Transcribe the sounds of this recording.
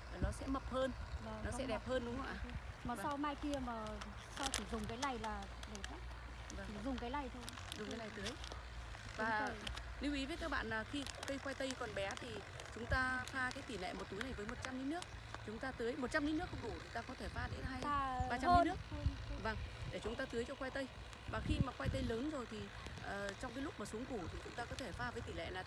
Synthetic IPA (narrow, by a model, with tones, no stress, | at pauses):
əː˨˩nɔ˨˦sɛ̰˧˥mə˨˩p̚həː˧na˨˩nɔ˨˦ɛ̰˧˥ɗɛ˨˩p̚həː˧nɗʊ˨˦ŋ͡mwʔa̰ː˧˩maː˨˩˧sa˧wmaː˧jki˧əmaː˨˩ | sa˧wt͡ɕi˧˩zʊ˨˩ŋ͡mkaː˨˦jla˨˩jlaː˨˩ | ɗe˧˩xaː˦˥t̚ | va˧˩˨zʊ˨˩ŋ͡mkaː˨˦la˨˩jt̪ʰo˧j | zʊ˨˩ŋ͡mkaː˨˦la˨˩jt̪ɨ˨˦əj | vaː˨˦˨ | li˨˦wʔi˨˦vəː˨˦jkaː˦˥k̚ɓa̰ː˧˨nlaː˨˩xi˧kə˧jxwa˧jt̪ə˧jkɔ˨˩nɓɛ˨˦t̪ʰi˨˩ | t͡ɕʊ˨˦ŋ͡mt̪aː˧faː˧kaː˨˦jt̪i˧˩lɛ̰˧˨mo˨˩t̚t̪u˨˦jna˨˩jvəː˨˦jmo˨˩t̚t͡ɕa˧mni˧˦nɨ˦˥ək̚ | t͡ɕʊ˨˦ŋ͡mt̪aː˧t̪ɨ˨˦əjmo˨˩t̚t͡ɕa˧mni˧˦˥nɨ˦˥k̚ːku˧˩t̪ʰi˨˩t̪aː˧kɔ˨˦t̪ʰe˧˩faː˧ɗḛ˨˦nɦaː˧jɓaː˧t͡ɕa˧mi˧˦nɨ˦˥ək̚va˧˩ŋɗe˧˩t͡ɕʊ˨˦ŋ͡mt̪aː˧t̪ɨ˨˦əjt͡ɕɔ˧xwa˧jt̪ə˧j | maː˨˩xi˧maː˨˩xwa˧jt̪ə˧jləː˨˦nzo˨˩jt̪ʰi˨˩ | ʔəː˨˩t͡ɕɔ˧wŋ͡mk̬a˨˦lʊ˥k͡p̚maː˨˩su˨˦əŋku˧˩t̪ʰi˨˩t͡ɕʊ˨˦ŋ͡mt̪aː˧kɔ˨˦t̪ʰe˧˩faː˧vəː˨˦jt̪i˧˩lɛ̰˧˨laː˨˩